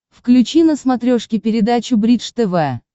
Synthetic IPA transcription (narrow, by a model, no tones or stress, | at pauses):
fklʲʉt͡ɕinəsmɐt̪ɾʲoʂkʲɪpʲɪɾʲɪd̪at͡ɕʊbɾʲit̪ʂt̪ɛvɛ